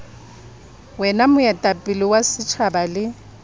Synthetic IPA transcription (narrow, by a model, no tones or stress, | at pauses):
wɛnamʊɛtʼapʼɪlɪwasɪt͡ʃʰabalɪ